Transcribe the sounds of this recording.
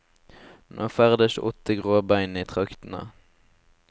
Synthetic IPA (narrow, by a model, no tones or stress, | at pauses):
nʔoːfæʁd̪əʃɔ̰t̪ʰəɡʁoːbæɪniːt̪ʰʁɑkt̪n̩ə̰